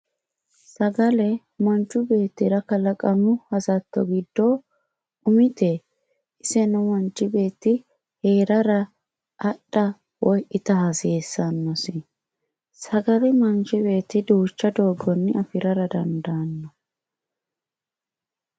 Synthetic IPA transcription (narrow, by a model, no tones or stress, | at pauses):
sɐɡɐlɛ | mɐnt͡ʃːʊbe̞ːt̪ːɪɾɐkɐlɐkʼɐmʊhɐsɐt̪ːɔ̰ɡɪd̪ːo | ʊmɪt̪ɛ | ɪsɛnʊmɔnt͡ʃʼːɪbe̞ːt̪ːɪ | he̞ːɾɐɾɐ | ʔɐɗːɐ | wɔjʔɪt̪ɐhɐseːsːɐnːɔsɪ | sɐɡɐlɛmɐnt͡ʃɪbe̞ːt̪ːɪd̪uːt͡ʃːɐd̪o̞ːɡːɔnːɪɐfɪɾɐɾɐd̪ɐnd̪ɐnːɔ